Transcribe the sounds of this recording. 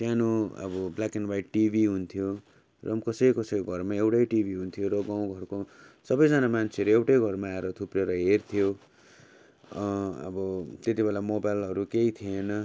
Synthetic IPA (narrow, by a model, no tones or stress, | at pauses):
t̪janoʌ̰bʌblakinbajʈibiɦunt̪ʰijo | rʌmkʌsʌjkʌsʌjɡʱʌrmaewʈʌjʈibiɦunt̪ʰijoɾʌɡãw̃ɡʱʌrkosʌbʌjd͡zanamant͡sʰeʌɾuewʈejɡʱʌrmaːeɾʌt̪ʰupreɾʌɦert̪ʰijo | ʌ̰bʌt̪et̪ibʱelamobajlɦʌɾukeit̪ʰienʌ